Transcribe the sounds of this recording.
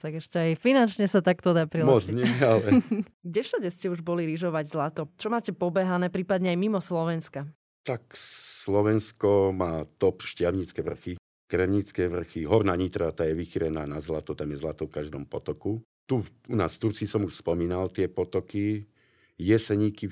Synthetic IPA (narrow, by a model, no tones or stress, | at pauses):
t̪aɡɛʃcɛajfinant͡ʃɲɛsat̪akt̪ɔd̪aːpɾilmɔɔd͡zɲɪɛalɛ | ɡɟɛfʃaɟɛscɛuʒbɔliɾiʒɔʋaɟzlat̪ɔt͡ʃɔmaːcɛpɔbɛɦanɛːpɾiːpad̪ɲɛajmimɔslɔʋɛnska | t̪akslɔʋɛnskɔmaːt̪ɔpʃcɪaʊɲit͡skɛʋr̩xi | kɾɛmɲit͡skɛʋr̩xiɦɔɾnaːɲiːt̪ɾat̪ajɛʋixiɾɛnaːnazlat̪ɔt̪amjɛzlat̪ɔfkaʒd̪ɔmpɔt̪ɔku | t̪u | una̰ːsft̪uɾt͡sisɔmuʃspɔmiːnalt̪ɪɛpɔt̪ɔki | jɛsɛɲiːki